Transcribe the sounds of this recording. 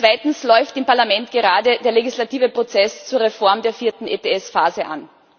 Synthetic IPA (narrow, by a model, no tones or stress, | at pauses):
t͡sv̥aɪtn̩slɔʏftɪmpaɐlamɛntɡ̥əʁaːdədeːɐleɡislatiːvəpʁ̥ot͡sɛst͡suːɐʁefɔɐmdeːɐfiːɐtn̩ʔetʰeɛsfaːzəʔa̰n